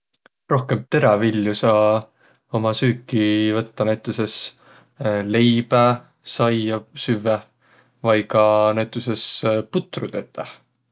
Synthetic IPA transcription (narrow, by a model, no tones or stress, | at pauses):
ro̞hke̞mt̪e̞ɾɑviljusɑ | o̞mɑsyːkːivɤt̪ːɑnæt̪ˑːuses | le̞jb̥æ | sɑjɑsyve | vɑjɡɑnæjt̪ːˑuse̞sput̪ːˑrud̪̥et̪ːˑɑ